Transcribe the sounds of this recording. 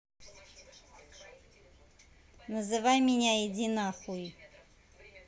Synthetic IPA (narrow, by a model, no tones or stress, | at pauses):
nəzɨvajmʲɪnʲajedʲinaχuj